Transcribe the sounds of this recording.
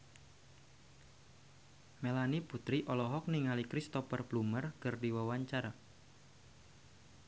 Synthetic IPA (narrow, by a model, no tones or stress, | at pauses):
melaniput̪ɾiʔɔlɔɦɔk̚niŋalikɾist̪ɔfərblumərkərdiwawaɲt͡ʃaɾa